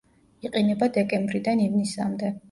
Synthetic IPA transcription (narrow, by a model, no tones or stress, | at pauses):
iqʼinɛbad̪ɛkʼɛmbɾid̪anivnisa̰md̪ɛ